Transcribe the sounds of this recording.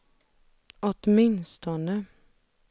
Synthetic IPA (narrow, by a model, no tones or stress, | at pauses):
ɔt̪mɪnst̪ɔnə